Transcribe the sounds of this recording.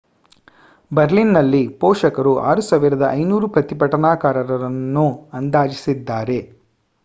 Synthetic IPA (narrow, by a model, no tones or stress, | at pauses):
bɐɾlinːɐlːipɔːʂɐkɐɾuʔa̰ːɾusɐːʋiɾɐd̪ɐʔɐ̰jnuːɾupɾɐt̪ipɐʈɐnaːkaːɾɐɾɐɾɐnːuɐnd̪aːd͡ʒisid̪ːaːɾe̞